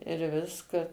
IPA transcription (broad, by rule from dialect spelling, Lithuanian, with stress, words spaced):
ɪr ˈʋʲɪskɐ